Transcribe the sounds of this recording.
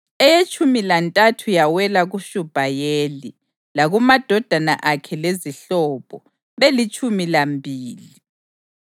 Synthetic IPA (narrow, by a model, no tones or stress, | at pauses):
ɛjet͡ʃʰʼumilantʼatʰujawɛlaɣuʃub̥ʱajeːli | laɣumad̥ʱɔd̥ʱana̰ʔakʰɛleziɬɔːβɔ | βelit͡ʃʼumilambʱiːli